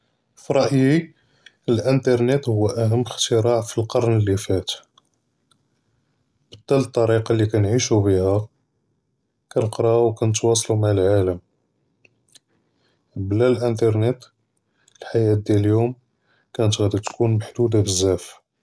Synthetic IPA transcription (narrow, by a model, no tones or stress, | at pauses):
fiɾˤɑʔji | əlʔənt̪ɑɾˤnet̪hʊwːæʔæɦəmːəxt̪əɾɑʕfilqɑɾˤnəlːifæt̪ | b̥əd̪ːælət̪ˤːɑɾiqɑlːikænʕiʃubihæ | kænəqɾˤɑwkænət̪wɑs̬ˤlumaʕəlʕaləm | blælʔənt̪ɑɾˤnet̪ | lħajæt̪̚d̪jæləljum | kænət̪ɣæd̪it̪kunmaħd̪ud̪abəzːæf